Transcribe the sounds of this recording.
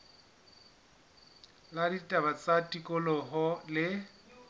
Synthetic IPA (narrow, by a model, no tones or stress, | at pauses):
laditʼabat͡sʼatʼikʼɔlɔɦɔlɪ